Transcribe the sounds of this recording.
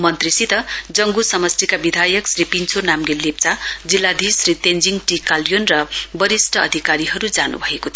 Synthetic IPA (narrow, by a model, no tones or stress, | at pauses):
mʌnt̪risit̪ʌd͡zʌŋɡusʌmʌst̪ikabid̪ʱajʌksripint͡sʰonamɡellːep̚t͡sad͡zilːad̪ʱisrit̪end͡ziŋɡʈikaljonrʌbʌɾisʈʰʌːd̪ʱikaɾiɦʌɾud͡zanṵbʱʌekot̪ʰ